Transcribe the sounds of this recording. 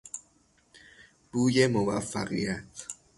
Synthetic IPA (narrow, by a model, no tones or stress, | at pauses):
b̥uːjemovæ̰fːæ̰ɣḭjæt̪ʰ